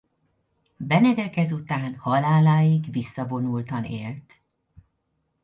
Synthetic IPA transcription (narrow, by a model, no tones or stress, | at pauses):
bɛnɛd̪ɛkɛzut̪aːnhɒlaːlaːjiɡvisːɒvo̞nult̪ɒnḛːlt̪